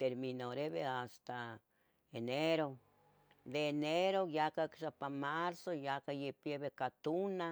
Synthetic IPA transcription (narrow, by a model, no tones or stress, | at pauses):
t̪eɾminoɾebeast̪a | eneɾo | d̪eneɾojakaksapamaɾsojakajepjeβekat̪una